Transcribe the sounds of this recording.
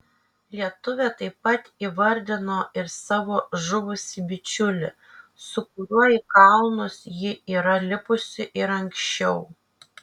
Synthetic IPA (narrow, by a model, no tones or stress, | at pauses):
lʲiɛt̪ʊʋʲɛt̪ɐɪpːɐt̪iːʋɐɾʲd̪ʲɪnoːɪɾsɑːʋoːʒʊʋʊsʲɪbʲɪt͡ʃʲʊlʲɪ | sʊk̚ʊɾʲuɔjɪkɐlˠnʊsjɪiːɾɐlʲɪpʊsʲɪʔɪɾɐŋʲkʃʲt͡ʃʲɛʊ